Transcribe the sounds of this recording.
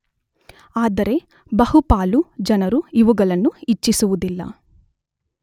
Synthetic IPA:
aːd̪ɐɾe̞ | bɐhupaːlud͡ʒɐnɐɾuiʋuɡɐɭɐnːuit͡ʃːisuʋud̪ilːɐ̰

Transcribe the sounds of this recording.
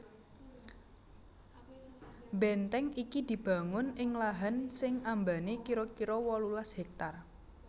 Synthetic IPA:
bɛnt̪ɛŋikid̪̥i̤b̥a̤ŋʊnɪŋlaɦansɪŋambanekiɾɔkiɾɔwɔlulashɛk̚t̪ar

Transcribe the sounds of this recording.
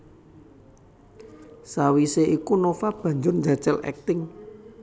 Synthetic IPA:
sawiseʔikunofab̥ä̤ɲd͡ʒʊrɲd͡ʒḁt͡ʃɛlɛ̰k̚t̪ɪŋ

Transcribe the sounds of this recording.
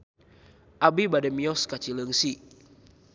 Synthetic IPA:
ʔabibadɛmiɔskat͡ʃiləŋsi

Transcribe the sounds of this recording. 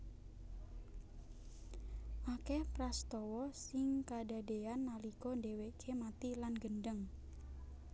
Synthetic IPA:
ʔakɛpɾast̪ɔwɔsɪŋkada̤deanːalikɔndewekʰemat̪ilanɡəndəŋ

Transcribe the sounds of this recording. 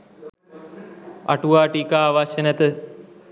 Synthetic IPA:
a̰ʈuʋaːʈiːkaːʋaʃənɛt̪ə

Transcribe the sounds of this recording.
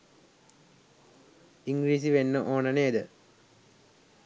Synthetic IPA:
iŋɡɾiːs̬iʋenːəʔoːnɐneːd̪ə

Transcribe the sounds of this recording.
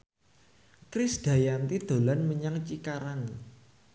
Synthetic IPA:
kɾɪsd̥a̤jant̪id̪̥o̤lanməɲaŋt͡ʃikaɾan

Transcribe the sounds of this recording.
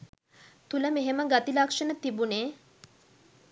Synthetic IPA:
t̪uləmeɦeməɡat̪ilakʂənət̪ibuneː

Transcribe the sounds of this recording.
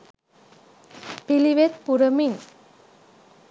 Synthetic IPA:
piliwet̪̚puɾəmiŋ

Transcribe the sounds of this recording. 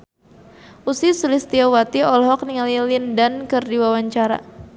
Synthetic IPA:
ʔusisulist̪iawat̪iɔlɦɔk̚niŋalilindankɨrdiwawaɲt͡ʃaɾa̰

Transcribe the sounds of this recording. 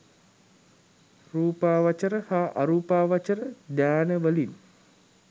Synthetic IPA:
ruːpaːʋat͡ʃəɾəhaʔa̰ɾuːpaːʋat͡ʃəɾədaːnəʋəlin

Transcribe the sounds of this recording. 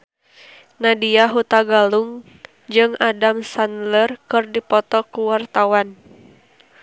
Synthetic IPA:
nadiaɦut̪aɡaluŋ | d͡ʒɨŋadamsanlərkɨrdipɔt̪ɔkuwart̪awan

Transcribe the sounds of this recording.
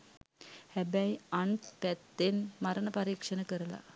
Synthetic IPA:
hæbæjanpæt̪ːenmaɾənəpaɾiːkʂənəkəɾəla̰

